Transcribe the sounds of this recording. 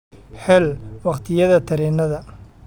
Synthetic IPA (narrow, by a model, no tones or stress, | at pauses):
ħɛlwɑqt̪ʰɪjɐðɐt̪ʰɐɾɛːnɐðɐ